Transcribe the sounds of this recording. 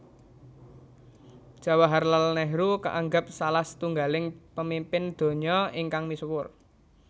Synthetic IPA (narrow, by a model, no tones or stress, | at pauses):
d̥ʒ̥a̤waɦarlalnɛɦɾuka̰ʔaŋɡap̚salaht̪uŋɡalɪŋpəmimpɪnd̪̥o̤ɲɔiŋkaŋmiswʊr